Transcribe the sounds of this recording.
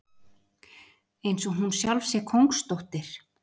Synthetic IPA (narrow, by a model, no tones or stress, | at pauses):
ejnsɔɦunsjawlvsjɛkʰowŋkst̪owht̪ɪɾ̥